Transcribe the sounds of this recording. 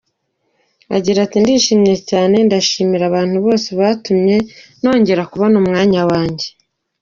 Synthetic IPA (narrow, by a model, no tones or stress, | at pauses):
a̰ɟiɾatindiʃiːmje̞caːne̞ndaʃiːmiɾaβaːn̥huβo̞ːseβaːtumɲe̞no̞ːɲɟe̞ɾakuβonuːmŋaːɲawaːɲɟe̞